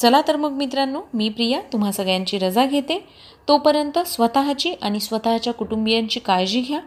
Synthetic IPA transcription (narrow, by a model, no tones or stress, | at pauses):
t͡səlat̪əɾmuk̚mit̪ɾanːuːmiːpɾijat̪um̤asəɡɭjaɲt͡ɕiːɾəd͡zaɡʱet̪e | t̪opəɾjənt̪əsʋət̪aɦt͡ɕiːʔaɽ̃isʋət̪aɦat͡ɕjakuʈumbijaɲt͡ɕiːkajd͡ʑiːɡʱja